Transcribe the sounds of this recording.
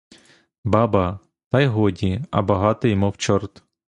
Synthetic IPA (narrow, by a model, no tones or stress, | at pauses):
bɑbɐ | t̪ɑjɦɔdʲiɐ̰bɐɦɑt̪ɪjmɔwt͡ʃɔrt̪